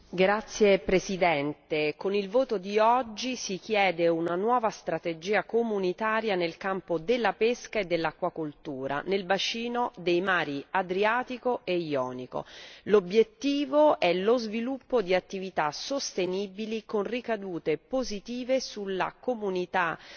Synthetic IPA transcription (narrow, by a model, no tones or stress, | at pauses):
ɡɾat̪sːjepɾesid̪ɛnt̪ekonilvoːt̪od̪iɔd͡ʒːisik̟jɛːd̪eunanwɔːvast̪ɾat̪ed͡ʒiːakomunit̪aːɾjanelkampod̪elːapeskaed̪ːelːakːwakolt̪uːɾa̰nelbat͡ʃiːnod̪ejmaːɾiad̪ɾiaːt̪ikoʔejɔ̰ːniko̰lobjet̪ːiːvoʔɛlozvilupːod̪iat̪ːivit̪asost̪eniːbilikonrikad̪uːt̪epozit̪iːvesulːa̰komunit̪a